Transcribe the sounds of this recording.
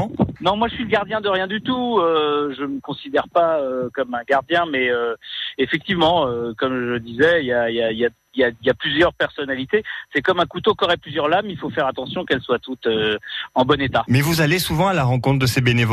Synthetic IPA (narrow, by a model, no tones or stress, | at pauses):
nɔ̃mwaʒəsɥiləɡaʁd̪jɛ̃d̪əʁjɛ̃d̪yt̪uøʒəməkɔ̃sid̪ɛʁpaøkɔmɛ̃ɡaʁd̪jɛ̃mɛøefɛk̚t̪ivmɑ̃økɔmʒəd̪izɛiljailjailja | iljailjaplyzjœʁpɛʁsɔnalit̪esɛkɔmɛ̃kut̪okɔʁɛplyzjœʁlamilfofɛʁat̪ɑ̃sjɔ̃kɛlswat̪ut̪øɑ̃bɔnet̪amɛvuzalesuvɑ̃alaʁɑ̃kɔ̃t̪χd̪əsebenev